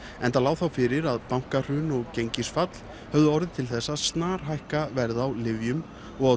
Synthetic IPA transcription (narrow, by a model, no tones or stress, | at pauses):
ɛnt̪alaːwθawfɪɾɪɾaðpawŋ̥kar̥ʏnɔɣcejɲcɪsfat̪l̥ | hœvðʏɔɾðɪt̪ʰɪlθɛsːaðst̪naːɾ̥ɦajhkavɛɾðaːwlɪvjʏm | ɔɣaw